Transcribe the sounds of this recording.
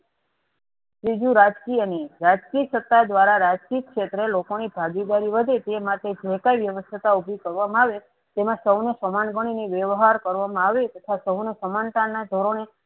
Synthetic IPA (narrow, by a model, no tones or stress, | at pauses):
sɾid͡ʒuɾad͡ʒkiəneɾad͡ʒkiəsət̪ːad̪ʋaɾaɾad͡ʒkikʃet̪ɾelokonibʱaɡid̪aɾiʋəd̪ʱet̪emaʈed͡ʒeɦkajʋjəʋəst̪ʰət̪aubʱikəɾʋamãaʋe | t̪emãsəwnəsəmanɡəɽ̃iniʋjəʋɦaɾkəɾʋamãaʋet̪ət̪ʰasəwnəsəmanʈannːad̪ʱoɾone